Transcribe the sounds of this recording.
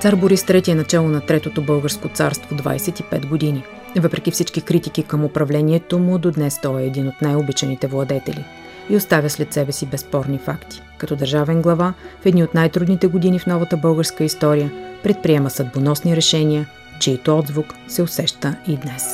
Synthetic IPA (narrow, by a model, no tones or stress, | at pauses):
t̪saɾboɾist̪ɾɛt̪iɛnɐt͡ʃɛlˠonɐt̪ɾɛt̪ot̪obɤlˠɡəɾskot̪saɾst̪vod̪va̰jsɛt̪ipɛt̪ɡod̪ini | vɤpɾɛk̟ʲifsit͡ʃk̟ikɾit̪ikikəmʊpɾɐvlɛniɛt̪omʊd̪od̪nɛst̪ɔɛːd̪inot̪najobit͡ʃɛnit̪ɛvlˠɐd̪ɛt̪ɛlʲi | iost̪avʲjəslɛt̪sɛbɛsibɛspɔɾnifakt̪i̥kɐt̪ɔd̪əɾʒavɛnɡlˠɐvafɛd̪niot̪najt̪ɾud̪nit̪ɛɡod̪inifnɔvɐt̪əbɤlˠɡəɾskəist̪ɔɾijəpɾɛt̪̚pɾiɛməsɐd̪bonɔsniɾɛʃɛnʲiə | t͡ʃiːt̪oɔd̪zvʊksɛʊsɛʃt̪əid̪nɛs